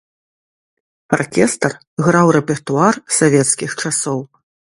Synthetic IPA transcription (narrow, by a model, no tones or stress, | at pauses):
a̰rkʲɛst̪ɐr | ɣɾawɾɛpʲɛrt̪uarsavʲɛt̪skʲixt͡ʂasɔw